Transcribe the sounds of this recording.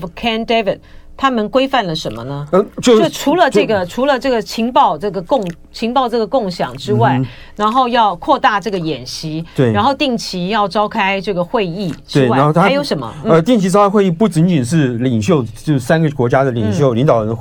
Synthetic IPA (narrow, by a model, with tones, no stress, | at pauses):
kʰɛ˥nd̪e˥vi˨˩d̚t̪ʰa˥mə˨nkwe˥ɪfa˥˩nlə˩ʂə˧˥nmə̰˧nə˧ə˧t͡ɕjjo˥˩ʈ͡ʂʰu˧˥lə˧t͡ɕɤ˥˩ɡə˩ʈ͡ʂʰu˧˥lə˧ʈ͡ʂɤ˥˩ɡə˩t͡ɕʰi˧˥ŋpɑ˥˧ʊʈ͡ʂɤ˥˩ɡə˩kʊ˥˩ŋ | t͡ɕʰi˧˥ŋpɑ˥˧ʊʈ͡ʂɤ˥˩ɡə˩kʊ˥˩ŋɕjɑ̰˨˩ŋʈ͡ʂɻ̩˥wa˥˩ɪ | ɻa˧˥nxo˥˧ʊjɑ˥˧ʊkʰwɔ˥˧t̪a˥˧ʈ͡ʂɤ˥˩ɡə˩jɛ˨˩nɕi˧˥t̪we˥˩ɻa˧˥nxo˥˧ʊt̪i˥˩ŋt͡ɕʰi˧˥jɑ˥˩ʊʈ͡ʂɑ˥ʊkʰa˥ɪʈ͡ʂɤ˥˩ɡə˩xwe˥˧ɪi˥˩ʈ͡ʂɻwe˥˩wa˥˩˧xo˥˧˩t̪ʰa˥jo˧˥ʊʂə˧˥nmə̰˧n̩˥ə˧t̪i˥˩ŋt͡ɕʰi˧˥ʈ͡ʂɑ˥ʊkʰa˥xwe˥˧ɪi˥˩pu˥˩t͡ɕi˧˥nt͡ɕi˨˩nʂ̬ɻ̩˥˩li˨˩ŋɕjo˥˧ʊt͡ɕjo˥˧ʂ̩˥˩sa˥nɡə˨˩kwɔ˧˥t͡ɕja˥d̪ə˨li˨˩ŋɕ̬jo˥˩ʊli˧˥ŋt̪ɑ˨˩ʊɻə˧˥n˥